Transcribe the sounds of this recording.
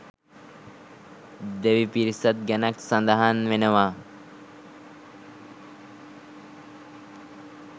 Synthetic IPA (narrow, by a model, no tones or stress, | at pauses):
d̪eʋipiɾisət̪̚ɡɛnaksand̪aɦanʋenəʋa